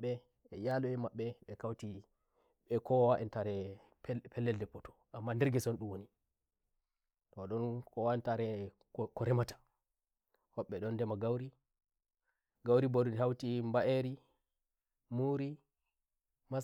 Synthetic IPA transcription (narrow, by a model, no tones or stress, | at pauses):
ɛ | ɛjalɔɛmaɓːɛɓɛkawti | ɓɛkɔwaʔɛntaɾɛ | ppʰɛlːɛldɛpɔtɔ̥ | ʔamːandɛɾɡɛsɔnɗumwoni | tɔɗɔnkɔwaɛntaɾɛ | kɔɾɛmatḁ | hɔɓːɛɗɔndɛmaɡawɾi | ɡawɾibodunhawtimbaʔeɾi | muɾi | ma